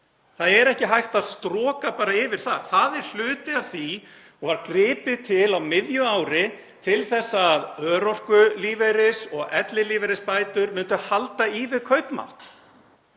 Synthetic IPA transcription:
θaðɛɾɛhcɪɦajht̪aðst̪ɾɔːkapaːɾaɪvɪɾ̥θa̰ðθaðɛɾ̥l̥ʏːt̪ɪav̥θi | ɔɣvaɾkɾɪːpɪðt̪ʰɪlawmɪðjʏaːwɾɪ | t̪ʰɪlθɛsːaðœːɾɔr̥kʏliːvejɾɪsɔɣɛt̪lɪliːvɛɾɪspaːjt̪ʏɾmʏnt̪ʏhalt̪aivɪðkʰœɥpma̰wht̪

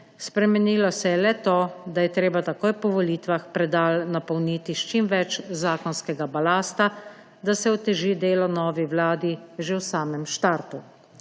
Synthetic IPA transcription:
spɾɛmɛniːlɔsɛjɛlɛt̪oːd̪ajɛt̪ɾeːbat̪akoːjpɔʋɔliːt̪ʋaxpɾɛd̪aːlnapɔwnit̪iʃt͡ʃimʋɛt͡ʃzaːkɔnskɛɡabalaːst̪a | d̪asɛɔt̪ɛʒid̪eːlɔnɔːʋiʋlaːd̪iʒewsaːmɛmʃt̪aɾt̪u

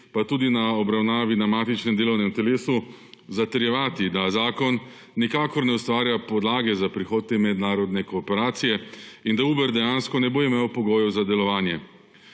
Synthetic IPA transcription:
pat̪uːd̪inaɔbɾawnaːʋinamaːt̪it͡ʃnɛmd̪eːlɔwnɛmt̪ɛleːsu | zat̪ɛɾjɛʋaːt̪id̪azaːkɔnː | ikaːkɔɾnɛust̪ʋaːɾjapɔd̪laːɡɛzapɾixoːd̪̚t̪emɛd̪naːɾɔd̪nɛkɔːpɛɾaːt̪sijɛind̪auːbɛɾd̪ɛjaːnskɔnɛboimeːwpɔɡoːjɛwzad̪ɛlɔʋaːnjɛ

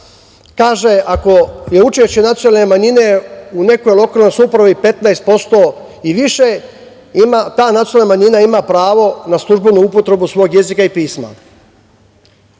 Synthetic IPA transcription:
kaːʒeʔako̞je̞ut͡ʃeʃt͡ɕenat̪sjonalnemaɲine̞une̞kojlˠo̞kaːlnojsupɾaʋipe̞t̪naest̪̚po̞st̪o̞ | iʋiʃe | mat̪aːnat̪jalnamaɲinaimapɾaːʋo̞naslˠuʒbenuupo̞t̪ɾe̞busʋo̞ːɡje̞zikaipiːsma̰

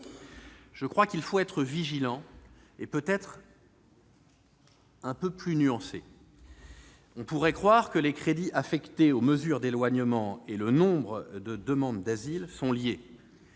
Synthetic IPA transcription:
ʒ̥əkχwakʲilfoɛt̪χəviʒilɑ̃epøt̪ɛt̪χ | ɛ̃pøplynyɑ̃sḛ | ɔ̃puʁɛkχwaʁkəlekχed̪iʔafɛkt̪eoməzyʁd̪elwaɲəmɑ̃elənɔ̃bʁəd̪əd̪əmɑ̃d̪d̪azilsɔ̃lje

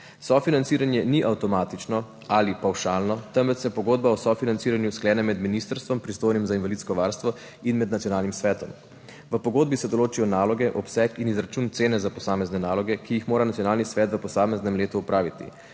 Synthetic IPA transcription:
sɔfinant̪siːɾanjɛniʔawt̪ɔmaːt̪it͡ʃnɔ | alipawʃaːlnɔt̪əmʋɛt͡ʃ̪jɛpɔɡoːd̪̚baɔsɔfinant̪siːɾanjusklɛːnɛmɛd̪minist̪əɾst̪ʋɔmpɾist̪oːjnimzainʋalit̪skɔʋaɾst̪ʋɔ | inmɛd̪nat̪iɔnaːlnimsʋɛːt̪ɔm | ʋəpɔɡoːd̪̚bisɛd̪ɔloːt͡ʃijɔnaːlɔɡɛʔɔpsɛkinizɾat͡ʃuːnt̪seːnɛzapɔsaːmɛznɛnaːlɔɡɛkijixmoːɾanat̪sjɔnaːlnisʋɛːt̪ʋəpɔsaːmɛznɛmleːt̪uːpɾaːʋit̪ḭ

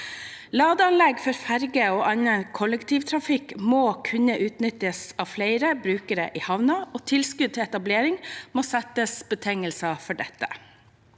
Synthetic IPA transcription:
lɑːd̪əɑnlɛɡfɔɾfæɾɡəoːʔɑnːənkʰɔləkt̪ʰiːʋt̪ʰɾɑfɪkmoːkʰʉnəʔʉːt̪nʏt̪ːəsɑʋflæɪɾəbɾʉːkəɾə̰ʔiːhɑʋnɑoːt̪ʰɪlskʉd̪̚t̪ʰɪlɛt̪ɑbleːɾɪŋmoːsɛt̪əsbət̪ʰɛŋəlsɑfɔɖɛt̪ːə

